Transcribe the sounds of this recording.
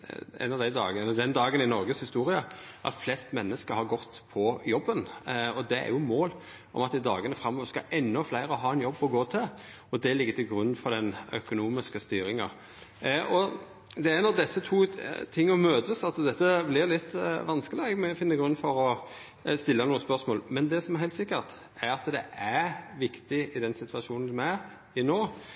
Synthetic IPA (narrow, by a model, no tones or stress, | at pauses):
ɛ̰nɑʋd̪æɪd̪ɑ̰ːɡɛd̪ɛnd̪ɑːɡənɪnɔɾɡəshɪst̪uːɾɪəʔɑ̰t̪flɛst̪mɛnːəskəɾhɑɾɡɔt̪ːpʰɔjɔbːənɔd̪ɛæ̰ɾjʊmoːl | ʔɔ̰mɑt̪ːɪd̪ɑːɡənəfɾɑmːɔːʋəɾskɑ̰ʔɛnːɔflæɪɾəɦɑːɛnjɔbːɔɡoːt̪ʰɪl | ɔd̪ɛlɪɡːət̪ʰɪlɡɾʉnːfɔɾd̪ɛnœ̰kʊnuːmɪskəst̪yːɾɪŋɑ̰ | ʔɔ | d̪ɛænɑʋd̪ɛsːət̪ʰuːt̪ʰɪŋːɔmøːt̪əsɑt̪d̪ɛt̪ːəblɪʁlɪt̪ːʋɑnskəlɪɛɡmɛfɪnːəɡɾʉnːfɔɾɔ | st̪ɪlːənuːəspœʁsmoːlmɛnd̪ɛsɔmɛæʁɦæɪlt̪sɪkːəʁt̪ | æɾɑt̪d̪ɛʔæɾʋɪkt̪ɪɪd̪ɛnsɪt̪ʰʋɑʃuːnn̩sɔmæɾ | ɪnoː